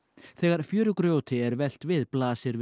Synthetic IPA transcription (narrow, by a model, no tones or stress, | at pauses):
θɛːɣaɾ̥fjœːɾʏkɾjoːwt̪ʰɪɛɾvɛl̥t̪vɪðplaːsɪɾv